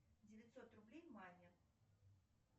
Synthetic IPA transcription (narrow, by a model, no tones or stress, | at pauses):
d͡zʲɪvʲat̪sɔt̪rublʲejmalʲːɐ